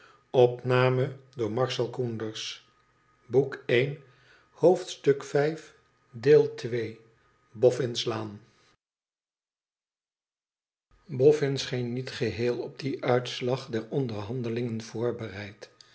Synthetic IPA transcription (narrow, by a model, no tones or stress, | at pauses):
ɔpnaːmədʊːɹmɑɹsɛlˠkundəɹs | bukejn | howftstɵkfɛjf | deːlˠtʋej | bɔfɪnslaːn | bɔfɪnsχejnːitχəɦɪːlˠɔb̚diʔœɥtslɑχdɛɹɔndəɹɦɑndəlɪŋənv̥ʊːɹbərɛjt